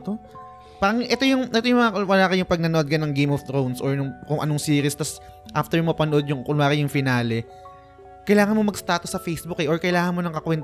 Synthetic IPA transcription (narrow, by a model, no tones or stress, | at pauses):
t̪o | paːɾɐŋʔɛt̪o̞jʊŋʔɛt̪ojʊŋmɐŋɐwɐlaːkɐjʊŋpɐɡ̚nɐnoʔod̪̚kɐnɐŋɡejmɔft̪ɾownsʔoɹnʊŋkʊŋʔɐ̰noŋsiːɾɪst̪ɐs | ʔaft̪ɛɹʊmɐpɐnoʔo̞d̪̚jʊŋkʊlaːkɐjʊŋfɪnaːlɛ | kɐjlaːŋɐnmo̞mɐɡst̪aːt̪osːɐfejsbʊkɛʔoɹkɐjlaːŋɐnmo̞nɐŋkɐkwɛnt̪